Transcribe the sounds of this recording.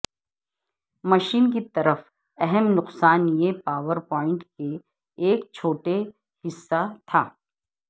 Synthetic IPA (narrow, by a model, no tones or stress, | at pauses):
mɐʃiːnkit̪ɐɾəf | ɛɦɛmnʊqsaːnjepaːʋəɾpɔːɪ̃ɳʈkeː | k̚t͡ʃʰoːʈe | hɪsːat̪ʰaː